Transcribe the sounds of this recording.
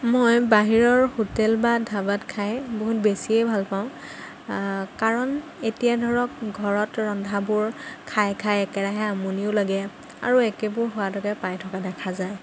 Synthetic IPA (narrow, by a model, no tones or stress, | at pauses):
mojbaɦiɹɔɹhotɛlbadʱabatkʰajboɦut̚besiejbʱalpaʊ̃ | kaɹɔnetijadʱɔɹɔk̚ɡʱɔɹɔtɹɔndʱabʊɹkʰajkʰajɛkɛɹaɦɛamuniʊlaɡɛ | a̰ɹuɛkɛbʊɹɦʊwadɔɡɛpajtʰɔkadɛkʰazaj